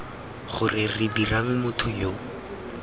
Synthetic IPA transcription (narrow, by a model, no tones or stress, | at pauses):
χʊrɪrɪdiraŋ̩mʊtʰʊjo